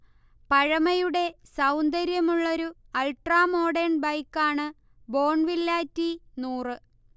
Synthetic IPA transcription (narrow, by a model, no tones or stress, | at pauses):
pɐɻɐmɐjuɽe̞sɐwnd̪ɐɾjɐmuɭːo̞ɾuɐlʈraːmo̞ːɖeɳbɐjkːaːɳɨ | bo̞ːɳʋilːaːtːinuːrɨ